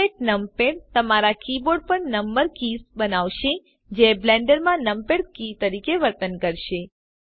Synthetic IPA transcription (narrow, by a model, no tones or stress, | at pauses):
eʈ̚nəmpeɽt̪əmaɾakiboɖ̚pəɳnəmbəɾkisbənaʋʃe | d͡ʒeblɛ̃ɳɖəɾmãnəmpeɽkit̪əɾikeʋəɾt̪ənkəɾʃe